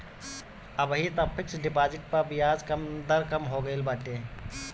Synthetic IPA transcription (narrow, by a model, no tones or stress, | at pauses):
ɐbɦit̪ɐːpʰɪksɖɪpaːd͡ʒɪʈ̚pɐbɪjaːzkɐmd̪ɐɾkɐmɦoːɡəɪlbaːʈeː